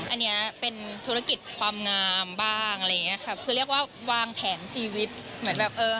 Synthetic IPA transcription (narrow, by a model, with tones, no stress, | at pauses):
ʔa˧nːi˦˥ɐpe˧nt̪ʰu˦˥ɾa˧˥ki˨˩t̪̚kʰwaː˧mŋaː˧mbaː˥˩ŋʔa˧ɾa˧jːŋi˦˥ɐ˧kʰa˦˥˩p̚kʰɯː˧˩ɾi˥˩ək̚waː˥˩waː˧ŋp̪ʰɛː˩˦nt͡ɕʰiː˧wi˦˥t̪̚mɯ˩˦ə˦nbɛː˨˩p̚ʔɤː˧